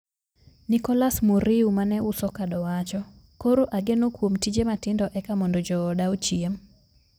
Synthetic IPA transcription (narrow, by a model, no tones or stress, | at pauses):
nɪkɔlasmuɾiumanɛʊsɔkadɔwat͡ʃɔ | koɾoʔaɡenokwomtid͡ʒematɪndɔʔɛkamɔndɔd͡ʒɔːdaot͡ʃiem